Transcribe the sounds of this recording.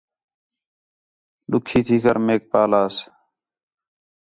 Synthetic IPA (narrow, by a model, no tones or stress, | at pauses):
lʊkʰːiːt̪ʰiːkəɾmeːk̚paːlaːs